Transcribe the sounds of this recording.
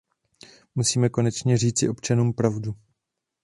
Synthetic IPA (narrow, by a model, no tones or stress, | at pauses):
musiːmɛko̞nɛt͡ʃɲɛr̝iːt͡sɪʔo̞pt͡ʃanuːmpɾavdu